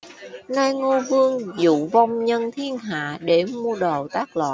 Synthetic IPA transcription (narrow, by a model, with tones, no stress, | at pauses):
naː˧jŋo˧vɨ˧əŋzṵ˧˨va˧wŋ͡mɲə˧nt̪ʰi˧ənɦa̰ː˧˨ɗe˧˩mu˧əɗəː˨˩wt̪aː˦˥k̚la̰ː˧˨